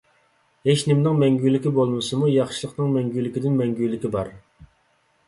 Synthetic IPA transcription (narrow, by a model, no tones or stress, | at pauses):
heʃnɪmnɨŋmɛŋɡʲylːɪkʲibolˠmɨsɨmujɑχʃilˠəqnɨŋmɛŋɡʲylɪkʲid̪ɪnmɛŋɡʲylːɪkʲibɑɾ